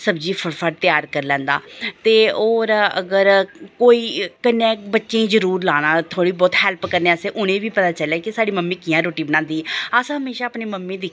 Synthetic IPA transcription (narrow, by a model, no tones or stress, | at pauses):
səbd͡ʒiːpʰəɾpʰəʈt̪ɪjaːɾkəɾlɛ̃ːnd̪a̰ːt̪eːoːɾə̰ɡəɾkoːiːkɪnːɛ̃ːbətːʃẽːĩːzəɾuːɾlaːnãːt̪ʰoːɽiːbɔːt̪hɛːlpkəɾnẽəsẽːʔʊñẽːʋiːpət̪aːt͡ʃəlɛːkɪsaːɖiːməmːĩːkɪjãːɾoːʈiːbəɽñãːnd̪iːəsãːɦəmeːʃaːəpneːməmːẽːd̪ɪ